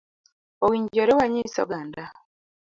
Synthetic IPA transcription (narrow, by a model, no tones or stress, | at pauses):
owiːɲɟoɾewaɲiso̰ɡaːnda